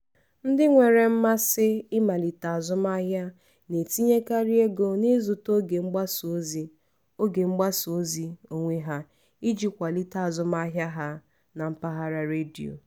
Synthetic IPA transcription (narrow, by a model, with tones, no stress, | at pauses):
n̩˦dɪ˦ŋʷe˨ɾe˨m̩˦ma˦sɪ˦ɪ˦ma˨li˨ta˨a˨zʊ˦m˦a˦ɦja˦ | ne˨ti˦ɲe˦ka˦ɾi˦e˦ɡo˦ni˦zʊ˨to˦ɡe˨ŋ͡m̩˦ɡ͡ba˦so˨˦zi˦ | o˦ɡe˨ŋ͡m̩˦ɡ͡ba˦so˦zi˦o˨ŋʷe˦ɦa˦ | i˦d͡ʒi˨kʷa˨li˦ta˨zʊ˦ma˦ɦja˦ɦa˦ | na˨m̩˦pa˦ɦa˦ɾa˦ɾe˦di˨o̰˨